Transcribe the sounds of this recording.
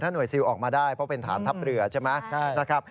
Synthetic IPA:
t̪ʰaː˥˩nu˨˩jsi˧wʔɔː˨˩k̚maː˧daː˥˩jpʰɾɔ˦˥pe˧nt̪ʰa̰ː˩˦nt̪ʰa˦˥p̚ɾɯ˨˩ɐt͡ɕʰe˥˩jmɛ˦˥na˦˥kʰɾa˦˥p̚

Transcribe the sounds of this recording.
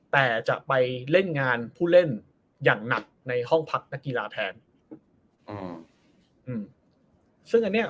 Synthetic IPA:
t̪ɛː˨˩t͡ɕa̰˨˩ʔpa˧jle˥˩nŋaː˧npʰuː˥˩le˥˩n | jaː˨˩ŋna˨˩k̚na˧jhɔ˥˩ŋpʰa˦˥k̚na˦˥kːi˧laː˧t̪ʰɛː˧n˧ | ʔɯː˧m | sɯ˥˩ŋʔa˧nːi˥ɐ

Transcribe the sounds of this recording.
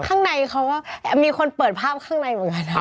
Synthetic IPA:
kʰaː˥˩ŋna˧jkʰa˧˦˥wkaː˧˥˩miː˧kʰo˧npɤː˨˩t̪̚pʰaː˥˩p̚kʰaː˥˩ŋna˧jmɯ˩˦ŋka˧˩n˦

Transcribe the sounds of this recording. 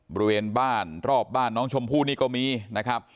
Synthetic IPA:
bɔ˧ɾi˧weː˧nbaː˥˩nɾɔː˥˩p̚baː˥˩nːɔː˦˥ŋt͡ɕʰo˧mpʰuː˥˩niː˥˩kɔː˥˩miː˧na˦˥kʰɾa˦˥p̚

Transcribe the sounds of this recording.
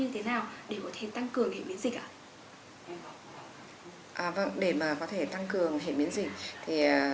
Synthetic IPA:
ɲɨ˧t̪ʰe˨˦naː˨˩wɗe˧˩kɔ˨˦t̪ʰe˧˩t̪a˧ŋkɨ˨˩əŋhḛ˧˨ɓḭ˨˦ənzï˨˩k̚ʔa̰ː˧˨ | ʔaː˨˩və˧˩ŋɗe˧˩maː˨˩kɔ˨˦t̪ʰe˧˩t̪a˧ŋkɨ˨˩əŋɦḛ˧˨ɓi˨˦ənzï˨˩k̟̚t̪ʰiː˨˩˨

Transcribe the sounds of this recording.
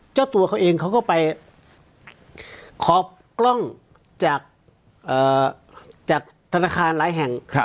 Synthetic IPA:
t͡ɕaː˥˩wt̪u˧ɐkʰa˦˥wʔeː˧ŋkʰa˦˥wkɔː˥˩pa˧j | kʰɔː˨˦p̚klɔ˥˩ŋ | t͡ɕaː˨˩k̚ | ʔɤː˨˩ | t͡ɕaː˨˩k̚t̪ʰa˧naː˧kʰaː˧nlaː˩˨˦jɦɛ˨˩ŋ

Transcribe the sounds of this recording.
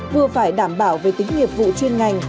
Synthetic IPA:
vɨ˨˩əfaː˧˩jɗaː˧˩mɓaː˧˩wve˨˩t̪ï˨˦ŋ̟ŋi˨˩əp̚vṵ˧˨t͡ɕwi˧ənŋa˨˩jŋ̟

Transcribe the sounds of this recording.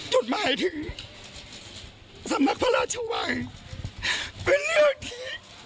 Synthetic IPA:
t͡ɕo˨˧t̪̚maː˨˦jt̪ʰɯ˨˦ŋ | sa˨˦mːa˧˩k̚pʰa˧laː˧˥t͡ɕʰuː˧˩maː˨˦j | pe˨˧nlɯ˥˩ək̚t̪ʰiː˧˥˦

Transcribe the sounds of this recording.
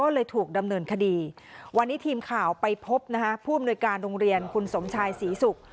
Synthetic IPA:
ɔː˥˩lɤː˧jt̪ʰuː˨˩k̚da˧mnɤː˧nkʰa˧diː˧ | wa˧nːiː˦˥t̪ʰiː˧mkʰaː˨˩wpa˧jpʰo˦˥p̚na˦˥kʰa˦˥pʰuː˥˩a˨mnu˧jkaː˧nɾoː˧ŋɾi˧ənkʰu˧nso˩˦mt͡ɕʰaː˧jsiː˩˦su˨˩k̚

